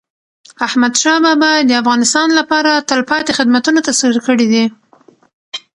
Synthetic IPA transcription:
ahmad̪ʃɑbɑbɑd̪əafɣɑnɪst̪ɑnlapɑɾat̪əlpɑt̪exɪd̪mat̪unot̪asiɾkəɽid̪i

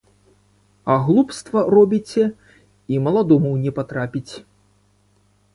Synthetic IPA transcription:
ɐɣlˠupst̪vɐrɔbʲit͡sʲɛ | imɐlˠad̪ɔmuwnʲɛpat̪ɾapʲit͡sʲ

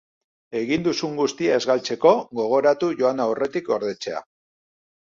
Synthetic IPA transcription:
e̞ɣind̪usuŋɡust̪iae̞zɣalt͡se̞ko̞ɣo̞ɣ̞o̞ɾat̪uʝo̞anaowre̞t̪iko̞ɾðe̞t͡se̞a̰

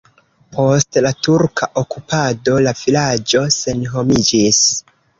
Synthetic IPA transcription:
pʰo̞stlatuɾkʰaʔokupado̞lav̥ilad͡ʒo̞se̞nɦo̞mid͡ʒis

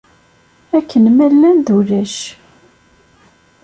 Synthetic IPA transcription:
ækʰːənmælːænðulæʃ

